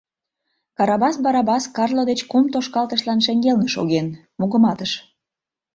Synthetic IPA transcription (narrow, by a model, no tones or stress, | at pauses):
kɑɾɑβɑsbɑɾɑbɑskɑrlod̪et͡ɕkumt̪oʃkɑlt̪əʃlɑnʃeŋɡelnəʃoɣen | muɣəmɑt̪əʃ